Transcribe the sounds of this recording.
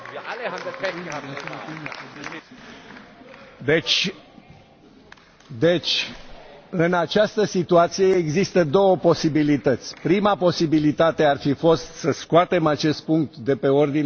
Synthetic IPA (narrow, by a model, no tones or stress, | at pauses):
d̪e̞t͡ʃʲ | d̪e̞t͡ʃʲ | ɨnat͡ʃast̪əsit̪uat̪sijeːɡzist̪əd̪o̞wəpo̞sibilit̪ət̪sʲpɾimapo̞sibilit̪at̪e̞arfifo̞st̪səskuat̪e̞mat͡ʃest̪̚puŋk̚t̪d̪e̞pe̞o̞rd̪in